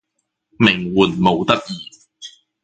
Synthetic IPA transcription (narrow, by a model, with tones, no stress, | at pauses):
mɪ˨˩ŋwuː˨˩nmo˨˧wt̪ɐ˥k̚jiː˨